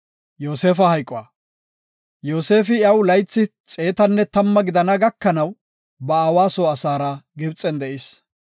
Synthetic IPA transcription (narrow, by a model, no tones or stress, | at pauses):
jo̞ːse̞ːfɐhɐjkʼːɔaː | jo̞ːse̞ːfɪjɐwlɐjt͡sːɪt͡sʼe̞ːt̪ɐnːɛt̪ɐmːɐɡɪd̪ɐnɐɡɐkːɐnɐw | bɐaːwaːsoːɐsaːɾɐɡɪbt͡sʼːɛnd̪ɛʔɪs